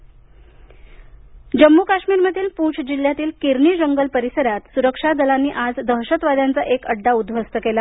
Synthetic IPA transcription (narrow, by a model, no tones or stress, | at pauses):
d͡ʑəmːukaɕmiːɾməd̪ʱiːlpuːt͡sʰd͡ʑiljat̪iːlkiɾɳiːd͡ʑəŋɡəlpəɾisəɾat̪suɾəkʂad̪əlanːiːʔad͡zd̪ʱəɦɕət̪ʋad̪ʱjant͡saʔekəɖːaud̪ʱʋəst̪əkela